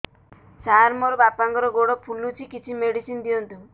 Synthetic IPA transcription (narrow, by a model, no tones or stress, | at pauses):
saɾmɔɾbapaŋkɔɾɔɡoɽɔpʰulut͡ʃʰikit͡ʃʰimeɽisind̪ijɔnt̪u